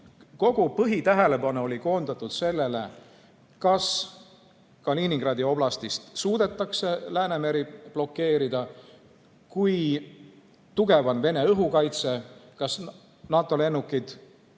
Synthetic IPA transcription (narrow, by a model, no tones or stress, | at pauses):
ko̞ɡ̥upɤɦit̪æɦe̞le̞pɑnuo̞liko̞ːnd̪̥ɑt̪ːˑud̪̥se̞lːe̞le̞̰ | kɑs | kɑliniŋɡ̥rɑːd̪̥io̞b̥lɑst̪ist̪suːd̪̥e̞t̪ːˑɑkse̞læːne̞meɾib̥lo̞kːe̞ːɾid̪ɑ | kuj | t̪uɡ̥e̞vɑnve̞ne̞ɤɦukɑjt̪se̞kɑs | nɑːt̪ːˑo̞le̞nːukːˑid̪̥